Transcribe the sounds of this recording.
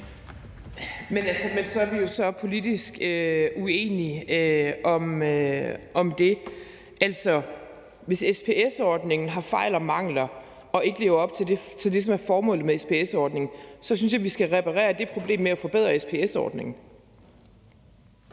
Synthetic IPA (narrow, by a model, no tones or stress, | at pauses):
menælsəmensɒ̽æɐʋijo̝sɒ̽pʰo̝lidisɡ̥øʔue̝̰ːniøɒ̽møʔɒ̽md̥e̝ | ʔæl̰sɒ̽ | ʋe̝sespʰe̝ːesɒːd̥ne̝ŋn̩ɦɑ̈fɑ̈ɪ̰lɒ̽mɑ̈ŋ̰lɐ | ɒ̽e̝ɡ̥əle̝ːʊɐɒ̽b̥t͡sʰe̝de̝t͡sʰe̝ld̥es̬ɒ̽mæɐfɒːmɔ̰̽ːlð̩ˠmeespʰe̝esɒːd̥ne̝ŋn̩sɒ̽synsjɑ̈ʋisɡ̥æʁɛpʰæʁɛ̰ːɐd̥e̝pʰʁo̝b̥le̝̰ːmːeæfɒ̽b̥e̝ð̞̰ˠʁɐespʰe̝esɒ̰ːd̥ne̝ŋn̩